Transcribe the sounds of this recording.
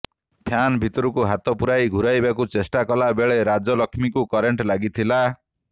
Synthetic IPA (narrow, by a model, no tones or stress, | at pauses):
t̪ʰjanbʱit̪ɔɾukuɦat̪ɔpuɾajɡʱuɾajbakut͡ʃesʈakɔlabeɭeɾad͡ʒɔlɔkʰmikukɔɾeɳʈlaɡit̪ʰila